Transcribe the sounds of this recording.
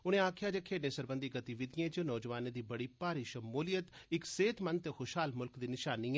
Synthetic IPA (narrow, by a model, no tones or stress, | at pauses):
ʊñẽːaːkʰɪjaːd͡ʒãːkʰeːɖnẽːsəɾbənd̪iːɡət̪iʋɪd̪ɪjẽːt͡ʃənɔːd͡ʒʋaːnẽːd̪iːbəɽiːpaːɾiːʃəmuːlɪjət̪ɪkseːt̪mənt̪eːxʊʃɦaːlmʊlkd̪iːnɪʃaːnːiːɛː